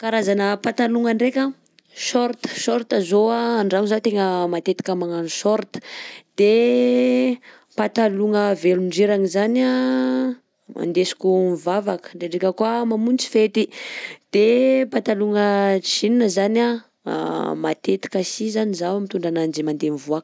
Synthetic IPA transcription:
kaɾazanəpat̪aluŋaɳɖ͡ʐekʲa | ʃɔɾt̪ə̥ʃɔɾt̪azoaːɳɖ͡ʐaŋuzat̪eŋəmat̪et̪i̥kʲamaŋaniʃɔɾt̪ə̥d̪̥e | pat̪aluŋəveluɳɖ͡ʐeɾaŋizana | mʔa̰nd̪esi̥kʲumvavakə̥ɖ͡ʐeɖ͡ʐekʲəkuamamunt͡si̥fet̪id̪̥epat̪aluŋəininəzana̰ | mat̪et̪i̥kəsizanizawmit̪uɳɖ͡ʐanand͡ʒimand̪enivuak

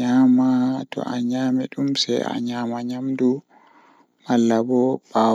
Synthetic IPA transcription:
aːmatɔ̰ʔaɲaːmɛɗumsɛ̰ja̰ɲaːmaɲamdu | malːabɔb̥a

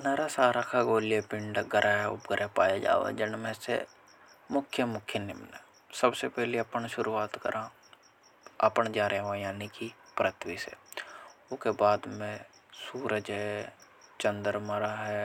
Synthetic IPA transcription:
neɾasaːɾakʰaɡoːlijepɪ̃ɳɖɡəɾʔaɦɛʊ̰bɡəɾʔɛpaːjad͡ʒa̰ːʋa̰d͡ʒɪnmesḛ | mʊkʰjəmʊkʰjənɪ̰mnə | səbsepɛɦleɐpənʃʊɾuaːt̪kə̰ɾʔã | ə̰pəɳd͡ʒaːɾɦojaːnikipɾət̪ʰwisḛ | ʊkebaːd̪mẽ | suːɾəd͡ʒɦɛ | t͡ʃə̃nd̪əɾməɾaɦɛ

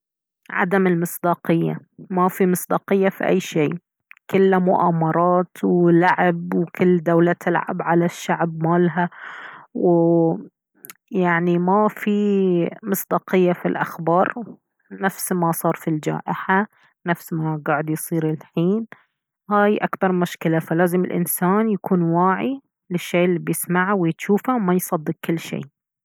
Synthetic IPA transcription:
ʕa̰d̪amɪlmɨsˤd̪ɑːqɪjːa̰mafimɨsˤd̪ɑːqɪjːafiʔa̰jːʃeː | kɪlːmʊʔaːmɑɾˤɑːt̪wlaʕɪb̚wkɪlːd̪awlat̪ʰɪlʕa̰bʕalaʃːaʕbmaːlɦa | wɪ | jaʕnimafimɨsˤd̪ɑːqɪjːafilʔa̰xbɑːɾˤ | nafsmasˤɑːɾˤfild͡ʒa̰ːʔɪħa | nafsmaɡaːʕɪd̪jsˤiːɾɪlħiːn | haːjʔakbɑɾˤmʊʃkɪlafalaːzɪmɪ̰lʔɪ̰nsaːnjakuːnwaːʕi | lɪʃːeːlːiːbjɪsmaʕwɪjɪt̪ʃuːfawmajsˤɑd̪ːɨq̚kɪlːʃḛː

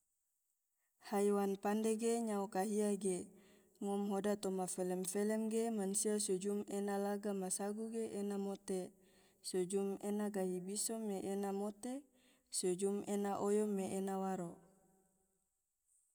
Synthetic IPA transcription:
hajwanpandeɡeɲaokaɦiaɡe | ŋɔmɦodat̪omafelɛmfelɛmɡemansiasud͡ʒumenalaɡamasaɡuɡeʔenamot̪e | sod͡ʒumenaɡaɦibisɔmːeʔenamot̪e | sod͡ʒumenaʔojɔmːeʔenawaɾo

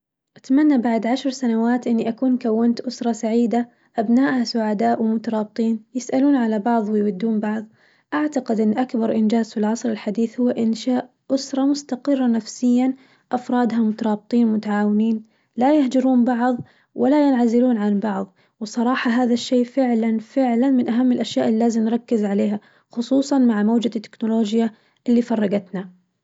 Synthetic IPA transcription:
ʔat̪manːabaʕd̪ʕaʃɾˤsanawaːt̪ʔɪnːiʔakuːnkawːɪnt̪ʔʊsɾˤɑsaʕiːd̪a | ʔabnaːʔhasʊʕad̪aːʔwɪmʊt̪ɑɾˤɑːb̚t̪ˤiːnjɪsʔaluːnʕalabɑʕðˤwɪjwad̪ːuːnbɑʕðˤ | ʔaʕt̪aqɪd̪ʔɪnːʔakbɑɾˤʔɪnd͡ʒaːz̥fɪlʕɑsˤɾɪlħad̪iːθhʊwːʔɪnʃaːʔ | ʔʊsɾˤɑmʊst̪aqɨrˤːɑnafsɪjːan | ʔafɾˤɑːd̪ɦamʊt̪ɑɾˤɑːb̚t̪ˤiːnmʊt̪aʕaːwɪniːn | lajahd͡ʒɪɾuːnbɑʕðˤ | wʔalajɪnʕazɪluːnʕanbɑʕðˤ | wsˤɑɾˤɑːħɑɦaːðaʃːeːʔfɪʕlanfɪʕlanmɪnʔaɦamːɪlʔaʃjaːʔɪlːaːzɪmnɾˤɑkːɪzʕaleːɦa | xʊsˤuːsˤɑnmaʕmawd͡ʒat̪ːɪ̥knʊloːd͡ʒja | ʔɪlːifɑrˤːɑɡat̪na

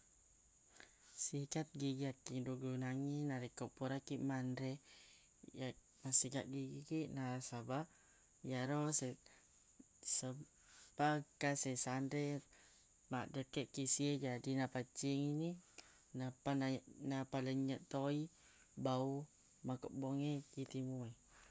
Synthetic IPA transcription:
sikat̪̚ɡiɡakːiŋduɡunaŋinaɾikopuɾakiʔmandɾɛ | ja | masiɡaʔɡiɡiɡiʔnaɾsaba | jaɾɔse | sə | pakasesandɛ | maʔdəkɛʔkisied͡ʒadinapat͡ʃiŋini | napananapaləɲəʔt̪oi | bau | makɔʔboŋekit̪imue

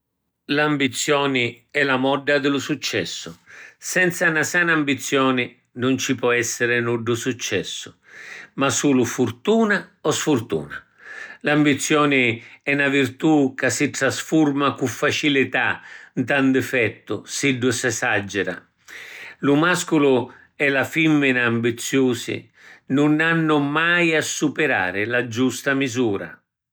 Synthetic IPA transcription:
lambit̪sːjɔːnɪ | ɛlamɔɖːad̪ɪlʊsut͡ʃːɛ̰sːʊsɛnt̪sanasanaambit̪sːjɔːnɪ | nʊnt͡ʃipɔɛsːɪɾɪnuɖːʊsut͡ʃːɛsːʊ̥ | masuːlʊfuɾt̪uːnaɔsfurt̪ṵːna | lambit̪sːjɔːnɪɛnavirt̪ukasːit̪ɾasfurmakufːat͡ʃilɪt̪ant̪and̪ɛfɛt̪ːʊsiɖːʊsasad͡ʒːɛɾa̰ | lʊmaskʊlʊ | ɛlafimːɪnaambit̪sːjuːsɪ̰ | nʊnanːʊmajasːupɪɾa̰ːɾɪlad͡ʒust̪amizuːɾa̰

